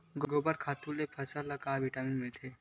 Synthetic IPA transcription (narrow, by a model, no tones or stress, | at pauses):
ɡɡoːbəɾkʰaːt̪ulepʰɐsəɾlɐkaʋiʈaːminmɪlt̪ʰeː